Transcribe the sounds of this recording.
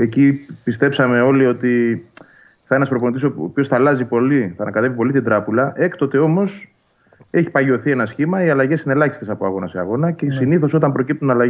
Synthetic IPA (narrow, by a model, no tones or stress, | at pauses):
e̞cipist̪e̞psɐme̞o̞lio̞t̪i | θɐe̞nɐspɾo̞pont̪isoo̰piçoθɐlɐzipo̞liθɐnɐkɐt̪e̞vipo̞lit̪ind̪ɾɐpulɐʔe̞kt̪o̞t̪e̞o̞mo̞s | e̞çi̥pɐʝioθie̞nɐsçimɐiɐlɐʝe̞sine̞lɐçist̪esɐpoɐɣo̞nɐsiɐ̰ɣo̞nɐcesiniθo̞so̞t̪ɐmbɾo̞cip̚t̪unɐlɐʝ